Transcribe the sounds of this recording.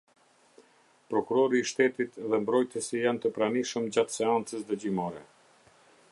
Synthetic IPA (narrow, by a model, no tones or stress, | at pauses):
pɾɔkuɾɔɾiːʃt̪ɛt̪it̪ðɛmbɾɔjt̪əsijant̪əpɾaniʃəmd͡ʑat̪sɛant͡səsd̪əd͡ʑimɔɾɛ